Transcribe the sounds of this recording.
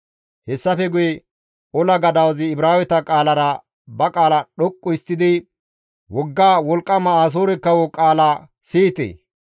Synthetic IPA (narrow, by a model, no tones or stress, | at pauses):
hɛsːɐfɛɡʊjɛ | ɔlɐɡɐd̪ɐwzɪːbɾaːwɛt̪ɐkʼaːlɐɾɐ | bɐkʼaːlɐɗɔkʼːʊɪst̪ːɪd̪ɪ | wɔɡːaːwɔlkʼːɐmɐaːs̬oːɾɛkːɐwɔkʼaːla | siːt̪ḛː